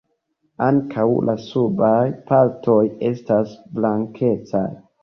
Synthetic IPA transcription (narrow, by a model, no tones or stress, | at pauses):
aŋkʰawlʔasubajpaɾtʰo̞je̞stasblaŋkʰe̞t͡saj